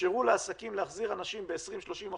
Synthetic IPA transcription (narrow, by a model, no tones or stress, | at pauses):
eʁuleasakimleaχziʁanaʃimbeːsʁimʃlo̞ʃima